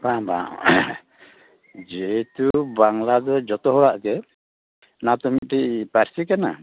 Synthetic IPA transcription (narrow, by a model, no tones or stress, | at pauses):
bãbã̰ | d͡ʒɛt̪ubaŋlad̪ɔd͡ʒɔt̪ɔɦɔɽaʔɡɛ | nat̪ɔmiʈiʔpaɾsikana̰